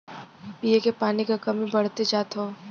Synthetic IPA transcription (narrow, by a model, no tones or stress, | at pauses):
piːekepaːnikakɐmĩbɐɽ̤t̪ed͡ʒaːt̪ɦoː